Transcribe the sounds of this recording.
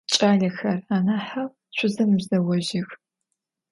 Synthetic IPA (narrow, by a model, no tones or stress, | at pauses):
t͡ʃʼaːɮɐxɐraːnaːħaw | ɕʷʰʊzɐmɨbzɐwɔʒɪx